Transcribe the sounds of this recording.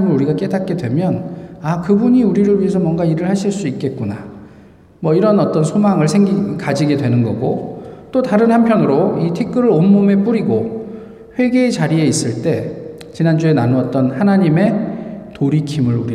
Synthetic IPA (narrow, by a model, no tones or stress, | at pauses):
imɯɾuɾiɡak͈e̞dat̚k͈e̞dwe̞mjʌnakɯbuɲiuɾiɾɯɭɥiɦesʰʌmwʌŋɡaiɾɯɭhaɕʰiɭs͈uik̚k͈e̞t̚k͈una | mwʌiɾʌnʌt͈ʌnsʰomaŋɯɭsʰeŋɡikad͡ʑiɡe̞dwe̞nɯnɡʌ̰ɡot͈otaɾɯnɦhanpʰjʌnɯɾoitʰikʰɯɾɯɾomːume̞p͈uɾiɡo | ɸwe̞ɡeːt͡ɕaɾie̞is͈ɯɭt͈e̞ | t͡ɕinand͡ʑue̞nanuʌt̚t͈ʌnhanaɲime̞toɾikʰimɯɾuɾi